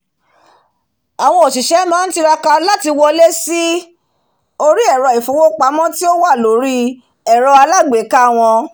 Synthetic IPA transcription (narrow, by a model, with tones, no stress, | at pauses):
a˨w̃ɔ̃˧o˨ʃi˨ʃɛ˨˦mãː˨˦n̩˦ti˧ɾa˧ka˧la˦ti˧wɔ˧le˦si˦ | o˦˧ɾi˦ɛ˦˨ɾɔ˧˨i˨fo˨˦wo˦k͡pa˨˦mɔ̃˦ti˦o˦wa˦˨lo˨˦ɾi˦ | ɛ˨ɾɔ˧a˧la˦ɡ͡be˨˦ka˦˨w̃ɔ̃˧